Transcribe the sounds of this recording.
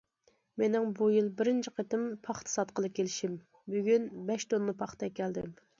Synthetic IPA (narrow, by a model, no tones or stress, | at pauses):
menɪŋbujilˠbɪɾɪnt͡ʃʰɪqʰet̪ɪmpʰɑχt̪ʰɨ̥sɑt̪̚qəlˠɨp̚kʲʰelɪʃim | byɡʲynbɛʃt̪onːɨpʰɑχt̪ɛkʲʰːɛld̪ɪm